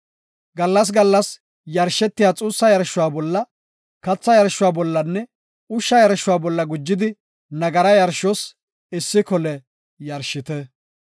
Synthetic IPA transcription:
ɡɐlːɐs̬ɡɐlːɐs | jɐɾʃɛt̪ːɪjaːt͡sʼuːsːɐjɐɾʃːʊwaːbɔlːɐ | kɐt͡sːɐjɐɾʃːʊwaːbɔlːɐnːɛ | ʊʃːɐjɐɾʃʊwaːbɔlːɐɡʊd͡ʒːɪd̪ɪ | nɐɡɐɾɐjɐɾʃɔs | ɪsːɪkɔlɛ | jɐɾʃɪt̪ɛ

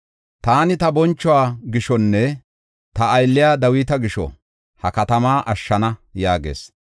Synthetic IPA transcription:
t̪aːnɪt̪ɐbɔnt͡ʃːɔwaːɡɪʃɔnːɛ | t̪ɐːjlːɪjaːd̪ɐwiːt̪ɐɡɪʃɔ̰ | hɐkɐt̪ɐmaːʔɐʃːɐnɐjaːɡḛːs

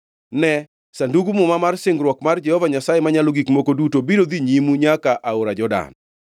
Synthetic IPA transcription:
nɛ | sanduɡumʊmamarsɪŋɡɾwɔkmard͡ʒɛhɔvaɲasaemaɲaloɡikmokodutobiɾod̪iɲimuɲakaʔaoɾad͡ʒɔda̰n

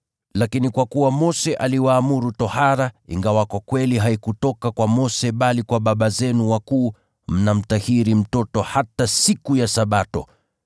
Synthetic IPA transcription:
lakinikwakuwamɔsɛʔaliwaːmuɾutɔhaɾaḭŋɡawakwakwɛliɦaikutɔkakwamɔsɛɓalikwaɓaɓazɛnuwakuː | m̩nam̩tahiɾim̩tɔtɔhatasikujasaɓatɔ̰

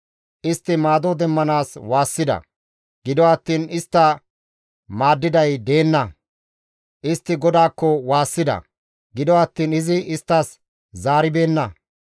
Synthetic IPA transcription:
ʔɪst̪ːɪmaːd̪ɔd̪ɛmːɐnaːswaːsːɪd̪ɐ̰ | ɡ̥ɪd̪ɔɐt̪ːiːnɪst̪ːɐ | maːd̪ːɪd̪ɐjd̪e̞ːnːɐ | ʔɪst̪ːɪɡɔd̪aːkːɔwaːsːɪd̪ɐ̰ | ɡɪd̪ɔɐt̪ːiːnɪzɪɪst̪ːas | zaːɾɪbe̞ːnːɐ

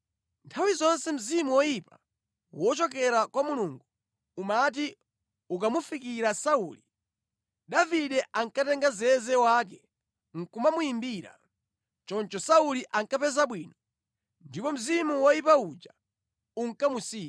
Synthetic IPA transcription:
ntʰawizɔnsɛm̩zimuwɔjipa | wɔt͡ʃɔkɛɾakwamuluŋɡu | umat̬i | ukamufikiɾasauːli | ɗaviɗɛʔaŋkatɛŋɡazɛzɛwaːk̬ɛ | ŋ̩kumamujimbiːɾa̰ | t͡ʃɔnt͡ʃɔsauliʔaŋkapɛzaɓwiːnɔ | ndipɔm̩zimuwɔjipaud͡ʒa | uŋ̩kamusiː

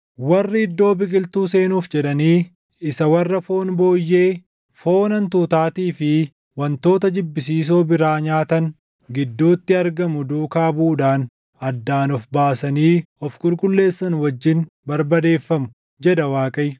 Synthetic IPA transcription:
wɐrːɪɪd̪ːo̞ːbɪkʼɪlt̪uːse̞ːnuːfd͡ʒɛᶑɐniː | ɪsɐwɐrːɐfo̞ːnbo̞ːjːe̞ː | fo̞ːnɐnt̪uːt̪aːt̪iːfɪ | wɐnt̪o̞ːt̪ɐd͡ʒɪbːɪsiːs̬oːbɪɾaːɲaːt̪ɐn | ɡɪd̪ːoːt̪ːɪɐɾɡɐmʊd̪uːkaːbuːᶑaːn | ɐd̪ːaːnɔfbaːsɐniːɔfkʼʊlkʼʊlːe̞ːsːɐnwɐd͡ʒːɪnbɐɾbɐd̪e̞ːfːɐmʊ̥ | d͡ʒɛd̪ɐwaːkʼɐj

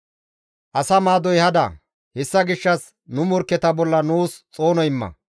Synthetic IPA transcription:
ʔɐsɐmaːd̪ɔjhɐd̪ɐ̰ | hɛsːɐɡɪʃːɐs | nʊmɔɾkːɛt̪ɐbɔlːɐnuːst͡sʼo̞ːnɔɪmːɐ̰

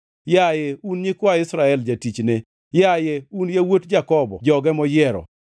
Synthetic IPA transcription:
jajeunɲɪkwaɪsɾaɛld͡ʒatit͡ʃne | jajeunjawotd͡ʒakɔbɔ̰d͡ʒɔɡɛmɔjɛɾɔ̰

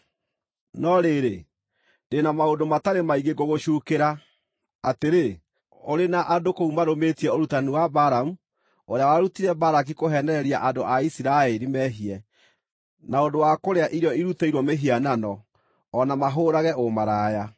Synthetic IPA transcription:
nɔɾeɾe | denamaodomataɾemaiɣeɡoɣoʃuːkeɾaː | teɾe | oɾenaʔadokoumaɾometiɛoɾutaniwabaɾamu | oɾeawaɾutiɾɛbaɾak̬ikoɦɛnɛɾɛɾia̰ʔadoʔaisiɾaɛɾimɛɦiɛ | naodowakoɾeaʔiɾjɔiɾutɛiɾwɔmeɦiananɔː | namaɦoɾaɣɛomaɾaːja

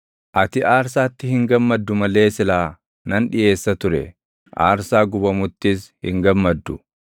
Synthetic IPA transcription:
ʔɐt̪ɪʔaːɾs̬aːt̪ːɪhɪŋɡɐmːɐd̪ːʊmɐle̞ːsɪlaː | nɐnᶑɪje̞ːsːɐt̪ʊɾɛ̰ | ʔa̰ːɾsaːɡʊbɐmʊt̪ːɪshɪ̰ŋɡɐmːɐd̪ːʊ

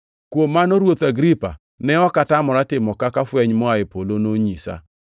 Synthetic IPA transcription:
kwomːanoɾwot̪aɡɾipa̰ | nɛɔkatamɔɾatɪmɔkakafwɛɲmɔaɪpolonoɲisa̰

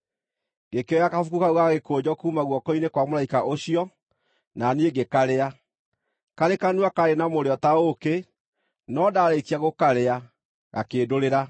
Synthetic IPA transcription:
ɡekeɔjakafukukauɣaɣekod͡ʑɔkuːmaɣwɔkɔinekwamoɾaikaʔoɕiɔ | nanieɡekaɾea | kaɾekanuakaɾenamoɾeɔtaoke | nɔdaɾeikiaɣokaɾea | ɣa̰keːdoɾeɾa

